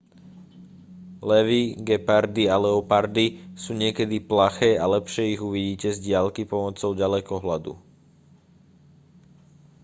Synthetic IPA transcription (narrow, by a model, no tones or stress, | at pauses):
lɛʋiɡɛpaɾd̪ialɛɔpaɾd̪isuːɲɪɛkɛd̪iplaxɛːalɛpʃɪɛiɣuʋiɟiːcɛzɟɪalkipɔmɔt͡sɔʊɟalɛkɔɦlad̪ṵ